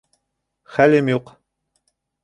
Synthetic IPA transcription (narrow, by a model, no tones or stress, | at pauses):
χælɘmjuq